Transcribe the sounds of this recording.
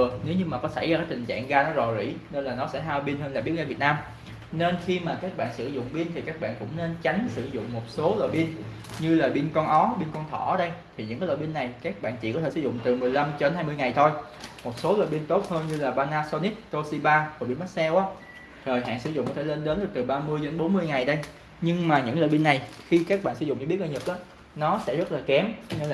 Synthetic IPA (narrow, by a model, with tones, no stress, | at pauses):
əne˨˦wɲɨ˧maː˨˩kɔ˨˦sa˧˩jzaː˧kaː˨˦jt̪ï˨˩ŋ̟t͡ɕa̰ː˧˨ŋɣaː˧nɔ˨˦zɔ˨˩zḭ˧˥ne˧nlaː˨˩nɔ˨˦sɛ̰˧˥ɦaː˧wɓi˧nɦə˧nlaː˨˩ɓi˦˥t̚ŋaː˧˩vt̚naː˧m | ne˧nxi˧maː˨˩kaː˦˥k̚ɓa̰ː˧˨nsɨ̰˧˩zʊ̰˧˨ŋ͡mɓi˧nt̪ʰi˨˩kaː˦˥k̚ɓa̰ː˧˨nkʊ̰˧˥ŋ͡mne˧nt͡ɕa˨˦jŋ̟sɨ̰˧˩zʊ̰˧˨ŋ͡mmo˨˩t̚so˨˦lo̰˧˨jɓi˧ən | ɲɨ˧laː˨˩ɓi˧ənkɔ˧nʔɔ˨˦ɓi˧nkɔ˧nt̪ʰɔ̰˧˩˨ɗə˧jt̪ʰi˨˩ɲɨ̰˧˥ŋaː˨˦lɔ̰o˧˨ɓi˧ənːa˨˩jkaː˦˥k̚ɓa̰ː˧˨nt͡ɕḭ˧˨kɔ˦tʰe˧˩sɨ˧˩zʊ̰˧˨ŋ͡mt̪ɨ˨˩mɨ˨˩əjla˧mt͡ɕɔ˧ɗe˨˦nhaː˧jmɨ˧əjŋa˨˩jt̪ʰo˧j | mo˨˩t̚so˨˦lo̰ː˧˨jɓi˧ənt̪o˦˥t̚həː˧nɲɨ˧laː˨˩ɓaː˧naː˧so˧ni˦˥t̚t̪o˧si˧ɓaː˧vɔ˨˩ɓi˧nma˦˥t̚sɛ˧wʔaː˨˦˥ | təː˨˩jɦa̰ː˧˨nsɨ̰˧˩˦zʊ̰˧˨ŋ͡mkɔ˨˦t̪ʰe˧˩le˧nɗe˨˦nɗɨ˨˩ət̪ɨ˨˩ɓaː˧mɨ˧əje˨˦nɓo˨˦nmɨ˧əjŋa˨˩jɗə˧j | ɲɨ˧ŋmaː˨˩ɲɨ̰˧˥ŋlɔ̰ː˧˨jɓi˧ənːa˨˩jxi˧ka˦˥k̚ɓa̰˧˨sɨ˧˩z̰ŋ͡mɲɨ˧ɓəʔaː˧˩ɲə˨˩k̚ʔaː˨˦ | nɔ˨˦sɛ̰˧˥zə˦˥t̚laː˨˩kɛ˨˦mɲɨ˧˨